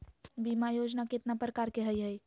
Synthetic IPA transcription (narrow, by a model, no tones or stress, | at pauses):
bimajod͡ʒnaket̪napɾəkaɾkeɦəjɦəj